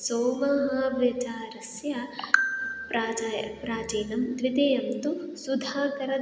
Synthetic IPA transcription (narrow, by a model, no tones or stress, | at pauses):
soːmɐɦɐʋjɐt͡ʃaːɾɐsjɐ | pɾaːd͡ʒpɾaːd͡ʒeːnɐmd̪ʋit̪eːjɐmt̪usud̪ʱaːkɐɾɐ